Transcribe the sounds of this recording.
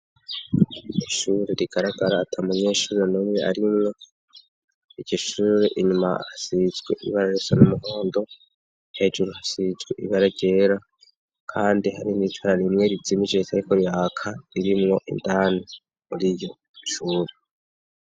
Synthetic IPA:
iʃuːɾeɾiɡ̥aɾaɡaɾaːtʰaumuɲe̞ːʃuːɾenomŋea̰ɾimŋo̞ | iɟɟoʃuːɾe̞ʔiɲuma̰hasizɡwe̞ʔḭβaɾaɾosanumuɦo̞ːndo̞ | he̞d͡ʒuɾuhasizɡwe̞ʔḭβaɾaɾɟe̞ːɾa | kʰaːndihaɾinitwaɾaɾimŋe̞ɾizimid͡ʒetʰaɾikoɾijaːkʰaiɾimŋo̞ʔḭndaːno | muɾijo̞ | ʃuːɾe

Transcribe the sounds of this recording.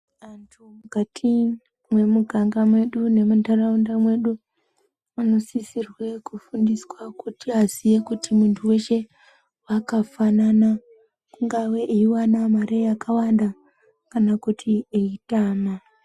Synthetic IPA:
antʰumukatʰi | mwe̞muɡʱaŋɡamwe̞ɗune̞mutaraundamwe̞ɗu | ano̞sisirwe̞kufundiswakutiazijekutimuntʰuwe̞ʃe | wakafanana | kuŋɡawe̞ʔeiwanamaɾejakawanda | kanakutʰieitaːna

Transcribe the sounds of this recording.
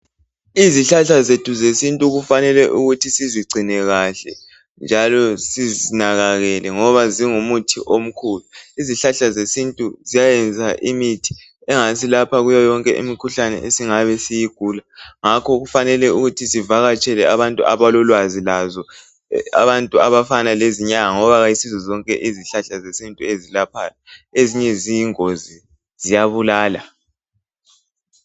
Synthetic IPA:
iziɬaɬazetʰuzesintʼuɣufanɛlɛʔuɣutʰisiziɡ͡ǀʱinɛɣaɬɛ̰ | nd͡ʒʱalɔsizinaɣaɣɛlɛŋɔβaziŋumutʰiʔom̩kʰuluiziɬaɬazesintʼuzijajɛnd͡zʱaʔimitʰi̥ | ɛŋasilapʰaɣujajɔŋkʼɛ̰ʔḭmikʰuɬanɛ̰ʔesiŋaβɛsijiɡ̥ʱulaŋakʰɔɣufanɛlɛuɣutʰisivaɣat͡ʃʼɛlɛaβantʼuʔaβalɔlwazilazɔ | a̰βantʼuaβafanaleziɲaŋaŋɔβaɣajisizɔzɔŋkʼɛ̰ʔiziɬaɬazesintʼuezilapʰalaeziɲɛzijiŋozi | zijaβulaːla

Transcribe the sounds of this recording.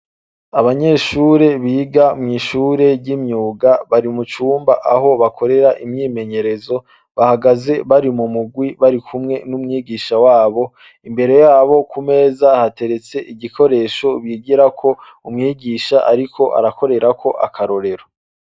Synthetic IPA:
aβaɲe̞ːʃuːɾe̞βiːɡamŋiːʃuːɾe̞ɟimɲuːɡaβaɾimut͡ʃuːmbaʔaɦo̞βakʰo̞ɾe̞ɾaʔimɲiːme̞ɲe̞ɾe̞zo̞ | βahaɡaze̞βaɾimumuɡwiβaɾikʰumŋe̞numŋiːɡiʃawaːβo̞ | imbe̞ɾe̞jaːβo̞kume̞ːzahate̞ɾe̞t͡se̞ʔiɟiko̞ɾe̞ːʃo̞βiːɡiɾakʰo̞ | umŋiːɡiʃaʔaɾikʰo̞ʔa̰ɾako̞ɾe̞ɾakʰo̞ʔakʰaɾo̞ɾe̞ɾo

